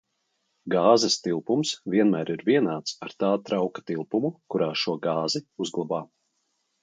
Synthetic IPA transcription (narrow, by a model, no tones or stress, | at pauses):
ɡaːzɛst̪ilˠpumsviɛnmæːɾiɾviɛnaːt̪saɾt̪aːt̪ɾawkḁt̪ilˠpumukuɾaːʃuɔɡɑːziuzɡlˠabaː